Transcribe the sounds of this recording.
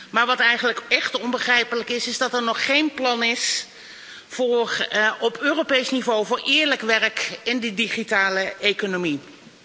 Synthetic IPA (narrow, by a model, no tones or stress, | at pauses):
maːɹʋɑtɛjχənləkɛχtɔmbəχrɛjpələkɪsɪzdɑtɛɹnɔχːejnplɑnɪs | fʊːɹɔpøːrowpejsnivowvʊːɹʔɪːɹləkʋɛrkɪndədiχitaːləejkonomi